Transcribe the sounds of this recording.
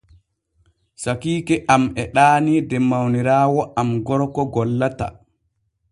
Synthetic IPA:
sakiːkɛʔamɛɗaːnidɛmawniɾaːwɔʔamɡɔɾkɔɡɔlːata̰

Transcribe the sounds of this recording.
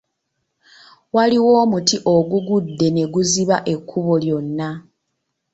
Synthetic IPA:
waliwo̞ːmutiʔo̞ɡuɡudːe̞ne̞ɡuziβaʔe̞kʰːuβo̞ljo̞nːa

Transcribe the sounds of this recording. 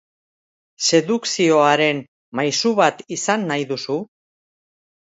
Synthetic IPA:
se̞ðuksio̞aɾe̞n | majsuβat̪isanːajðusu

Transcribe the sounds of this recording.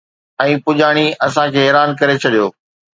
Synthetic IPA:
ɛ̃ːpʊʄaːɽ̃iɐsãkʰeːɦɛːɾaːnkɐɾet͡ɕʰɐɗijoː

